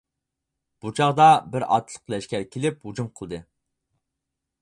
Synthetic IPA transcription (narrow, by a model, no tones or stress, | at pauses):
b̥ut͡ʃʰɑʁd̪ɑbɪɾɑ̰t̪ʰlˠəqlɛʃkʲɛɾkʲʰelɪphud͡ʒumqʰəlˠd̪ɨ